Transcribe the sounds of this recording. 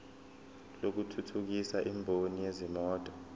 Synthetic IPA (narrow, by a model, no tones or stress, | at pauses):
lok̬utʰutʰuk̬isaʔimbʱonijezimɔːtʼɔ̥